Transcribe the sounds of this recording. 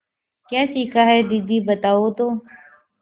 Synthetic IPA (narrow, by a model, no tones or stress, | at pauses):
kjaːsiːkaːɦɛːd̪iːd̪iːbət̪aːoːt̪oː